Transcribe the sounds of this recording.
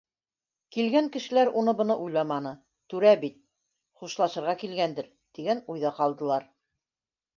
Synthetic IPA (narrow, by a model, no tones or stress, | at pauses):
kilɡæŋkɘ̆ʃɘ̆læɾunɤbɤ̆nɤʔujlˠɑmɑnɤ | t̪ʉɾæbit̪̚ | χuʃlˠɑʃɤ̆ɾʁɑkilɡænd̪ɘɾ | t̪iɡænujðɑqɑlˠd̪ɤ̆lˠɑɾ